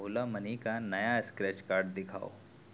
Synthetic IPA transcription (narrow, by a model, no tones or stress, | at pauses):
ʊlamənikanɐjaɪskɾɛːt͡ʃkaːɾɖd̪ɪkʰa̰ːo̰ː